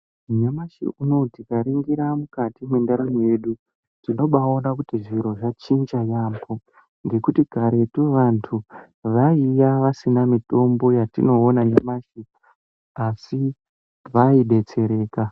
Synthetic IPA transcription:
ɲamaʃḭʔuno̞tikaɾiŋɡiɾamukatimwe̞ndaɾameje̞ɗu | tino̞ɓao̞nakutiʐiɾo̞ʐat͡ʃind͡ʒajaːmbo̞ | ŋɡe̞kutiɡʱaɾe̞tuʋantʰu | ʋaijaʋasinamito̞mbo̞jatḭno̞ːnaɲamaʃi | asi | ʋaiɗe̞t͡se̞ɾe̞ːka

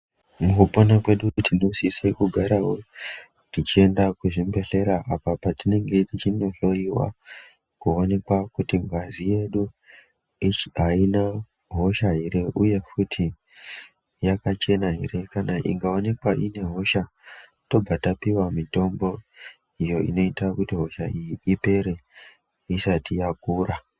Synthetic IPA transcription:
mukuponakwe̞ɗukutinosisekuɡʱaɾaɦo̞ | tit͡ʃie̞ndakuʐimbe̞ɬe̞ɾaʔapapatine̞ŋɡe̞tit͡ʃino̞ɬo̞iwa̰ | kuo̞ne̞kwakutiŋɡazije̞ɗu | iɦaina | ɦo̞ʃaɦiɾe̞ʔuje̞futʰi | jakat͡ʃe̞naɦiɾe̞kanaʔḭŋɡao̞ne̞kwaʔine̞ɦo̞ʃa | to̞bb͡vʱatapiwamito̞mbo̞ | ijo̞ḭno̞itakutiɦo̞ʃaiipe̞ɾe̞ | isatijakuːra

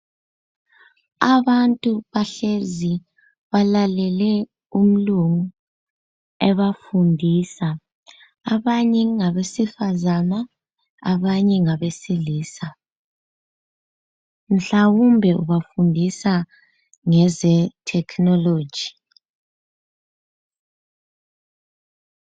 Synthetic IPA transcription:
aβantʼuβaɬezi | βalalɛlɛ | um̩luŋu | ɛβafundʱisaː | βaɲɛŋaβesifazana | a̰βaɲɛŋaβesiliːsa | m̩ɬawumbʱɛʔuβafundʱisa | ŋɛzɛtʰɛkʰnɔlo̥ːd͡ʒʱi̥

